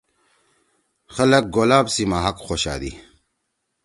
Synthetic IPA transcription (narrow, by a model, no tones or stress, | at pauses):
xɐlɐk̚ɡoːlaːbsimaɦɐkxoːɕa̰ːd̪ḭ